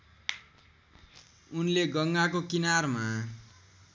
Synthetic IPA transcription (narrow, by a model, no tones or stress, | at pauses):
unleɡʌŋɡakokinarma